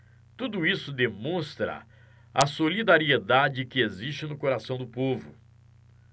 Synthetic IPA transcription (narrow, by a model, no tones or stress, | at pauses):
t̪ud̪ʊisʊd̪emõst̪ɾɐ̰ | ɐsolid̪aɾied̪ad͡ʒɪkɪezist͡ʃɪnʊkoɾasɐ̃w̃d̪ʊpovʊ̰